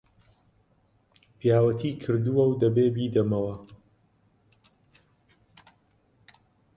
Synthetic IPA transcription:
pʰjaːwɐt̪ʰiːkʰɨɾd̪uwɐwd̪ɐbeːbiːd̪ɐmɐwɐ

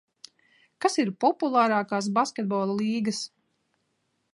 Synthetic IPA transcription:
kasiɾpɔpulˠaːɾaːkɑːs̬baskʲet̪̚bɔːlˠalˠiːɡɐs

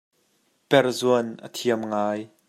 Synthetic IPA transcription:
pɛrzuənʔə̰t̪ʰiəmŋaːj

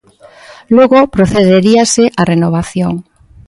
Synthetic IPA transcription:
loɣopɾoθeðeɾiaseʔarenoβ̞aθjoŋ

